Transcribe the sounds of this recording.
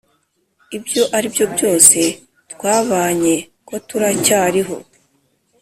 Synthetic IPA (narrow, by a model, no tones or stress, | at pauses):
ibjo̞ʔaɾibjo̞bjo̞ːse̞ | tkwaːβaːɲe̞ | ko̞tuɾacaːɾiɦo̞̰